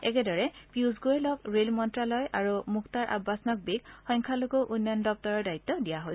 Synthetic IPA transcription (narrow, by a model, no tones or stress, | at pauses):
ɛkɛdɔɹɛpiuzɡoɛlɔkɹelmɔntɹalɔjʔaɹumuktaɹʔa̰bːasnɔk̚biɡxɔjŋkʰalokoʔunjandɔp̚tɔɹɔɹdait̪ːɔdijaɦojs